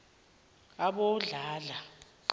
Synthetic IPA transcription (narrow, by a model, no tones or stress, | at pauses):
aɓoɮalaǃ